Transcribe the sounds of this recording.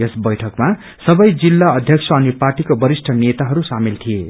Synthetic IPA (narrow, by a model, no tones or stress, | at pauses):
esbʌjʈʰʌkma | sʌbʌjd͡zilːaʌd̪ʱjʌksʰʌːniparʈikobʌɾisʈʰʌnet̪aɦʌɾusamilt̪ʰije